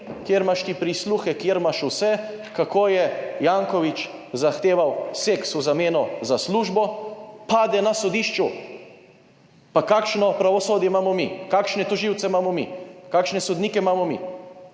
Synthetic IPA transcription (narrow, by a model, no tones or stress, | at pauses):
kjeɾmaʃt̪ipɾisluxɛkjeɾmaʃusɛ | kakoːjɛjaːŋkɔʋit͡ʃzaxt̪eːʋawseksuzameːnɔzasluːʒbɔpaːd̪ɛnasɔd̪iːʃt͡ʃu | pakaːkʃnɔpɾaʋɔsoːd̪jɛmaːmɔmikaːkʃnɛt̪ɔʒiwt̪sɛmamɔmḭkaːkʃnɛsɔd̪niːkɛmaːmɔmḭ